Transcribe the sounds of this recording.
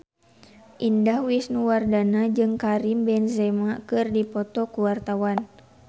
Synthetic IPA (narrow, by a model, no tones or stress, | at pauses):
ʔindahwisnuwardanad͡ʒɨŋkaɾimbɛnzɛmakɨrdipɔt̪ɔkuwart̪awan